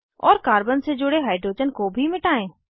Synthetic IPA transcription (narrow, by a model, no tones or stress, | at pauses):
ɔːɾkaːɾbənsed͡ʒʊɽeɦaːiɖɾoːd͡ʒənkobʱimɪʈaːẽː